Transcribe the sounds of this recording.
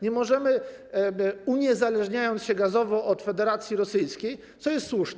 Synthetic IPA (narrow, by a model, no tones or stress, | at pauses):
ɲɛmɔʐɛmɘ | uɲɛzalɛʐɲajɔnt̪ɕɛɡazɔvɔʔɔt̪fɛd̪ɛɾat̪sʲjiɾɔsɘjskʲej | t̪sɔjɛst̪swuʂnɛ